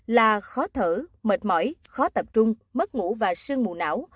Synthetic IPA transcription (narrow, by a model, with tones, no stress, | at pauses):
laː˨˩xɔ˨˦t̪ʰɨ˧˩mə˨˩t̚mɔ̰˧˩˦jxɔ˨˦t̪ə˨˩p̚t͡ɕʊ˧ŋ͡mmə˦˥t̚ŋṵ˧˥vaː˨˩sɨ˧əŋmṵ˨˩na̰ː˧˥w